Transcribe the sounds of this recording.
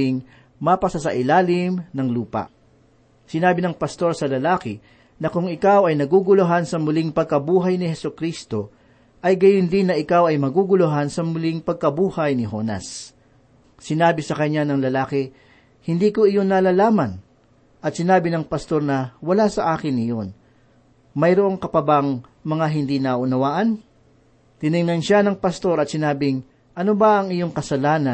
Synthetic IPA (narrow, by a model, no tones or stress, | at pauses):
ɪŋ | mapɐsasɐʔɪlaːlɪmnɐŋluːpɐ̰ | sɪnaːbɪnɐŋpɐst̪o̞ɾsɐlɐlaːkɪ | nɐkʊŋɪkawɐjnɐɡuɡʊloɦansɐmʊlɪŋpɐɡ̚kɐbuːɦɐjnɪhɛsʊkɾiːst̪o̞ | ʔɐjɡɐjʊnd̪ɪnːɐʔɪkawɐjmɐɡuɡʊloɦansɐmʊlɪŋpɐɡ̚kɐbuːhɐjnɪɦo̞ːnɐ̰s | ɪnaːbɪsɐkɐɲːanɐŋlɐlaːkɪ | hɪnd̪iːko̞ɪjonːalalaːmɐn | ʔɐt̪̚sɪnaːbɪnɐŋpɐst̪o̞ɾnɐwɐlasɐʔaːkɪnɪjon | mɐjɾʊʔoŋkɐpɐbaŋ | mɐŋaɦɪnd̪inɐʔʊnɐwaːʔɐn | t̪ɪnɪŋnɐnʃanɐŋpɐst̪o̞ɾɐt̪̚sɪnaːbɪŋ | ʔɐnobɐʔɐŋɪjo̞ŋkɐsɐlaːnɐ